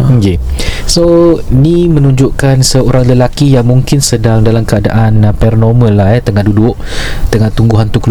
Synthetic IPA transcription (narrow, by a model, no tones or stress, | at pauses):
kesoinimə̃nũɲd͡ʒʊʔkansəoɾaŋləlakijaŋmũŋkɪnsədaŋdalamkəada̰ʔanpɛrnomə̃lahjɛt̪əŋandudʊʔ | t̪əŋant̪uŋɡuɦant̪ukl